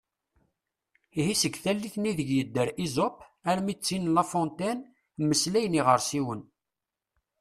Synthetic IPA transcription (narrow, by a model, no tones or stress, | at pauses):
ihisəɡθælːiθniðəʝjəd̪ːəɾizopæɾmit͡sːinlɑfɔnt̪æn | mːəslæjəniʁəɾsiwən